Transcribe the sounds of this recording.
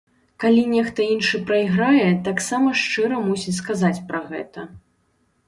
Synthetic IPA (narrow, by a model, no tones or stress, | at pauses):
kalʲinʲɛxt̪ɐinʂɨpɾɐiɣɾajɛt̪aksamɐʂt͡ʂɨɾɐmusʲiskazat͡sʲpɾɐɣɛt̪ɐ